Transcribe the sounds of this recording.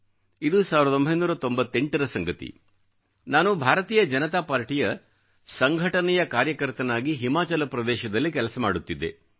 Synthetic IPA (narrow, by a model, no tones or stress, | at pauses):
id̪usaːʋiɾd̪o̞mbʱɐjnuːɾɐt̪o̞mbɐt̪ːe̞ɳʈɐɾɐsɐŋɡɐt̪ḭ | naːnubʱaːɾɐt̪iːjɐd͡ʒɐnɐt̪aːpaːɾʈijɐ | sɐŋɡʱɐʈɐnɛjɐkaːɾjɐkɐɾt̪ɐnaːɡiɦimaːt͡ʃɐlɐpɾɐd̪ɛːʃɐd̪ɐlːikɛlɐsɐmaːɽut̪ːid̪ːe̞̰